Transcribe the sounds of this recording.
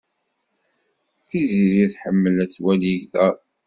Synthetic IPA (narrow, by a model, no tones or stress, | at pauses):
θiziɾiθħəmːəlæt͡sːwæliʝðæ